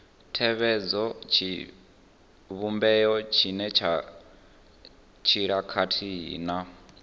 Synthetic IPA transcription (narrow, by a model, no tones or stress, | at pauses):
tʰɛβɛd͡zɔt͡ʃʰi | βumbɛjɔt͡ʃʰinɛt͡ʃʰa | t͡ʃʰiɺakʰatʰijḭːna